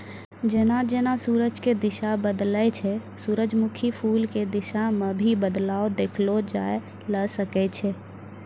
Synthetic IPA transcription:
d͡ʒeːnad͡ʒeːnasuːɾəd͡ʒked̪ɪʃabəd̪lət͡ʃʰɛsuːɾəd͡ʒmukʰipʰuːlked̪ɪʃamebʱibəd̪laːod̪ekʰlod͡ʒa̰e | ləsəkɛt͡ʃʰɛ

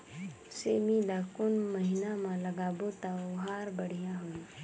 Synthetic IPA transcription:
seːmilaːkʊnməɦɪnãmãlɐɡaːbot̪aʊɦaːɾbəɽ̤ijãɦui

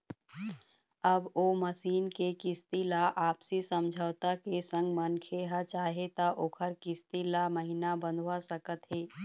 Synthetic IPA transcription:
əboməsiːnkekɪst̪ilaʔaːpsisə̃md͡ʒʱəːwt̪akesə̃ŋɡmənkʰeɦat͡ʃaːɦet̪aʔoːkʰəɾkɪst̪ilaməɦinabə̃nd̪ʱʋasəkət̪ɦeː

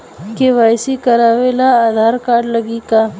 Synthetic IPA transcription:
keʋaːjsikɐɾaːʋelaːd̪ʱaːɾkaːɾɖləɡika

